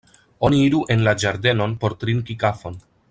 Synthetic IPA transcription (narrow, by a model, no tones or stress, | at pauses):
o̞niiɾuʔe̞nlad͡ʒaɾde̞no̞npo̞ɾtɾinkikafo̞n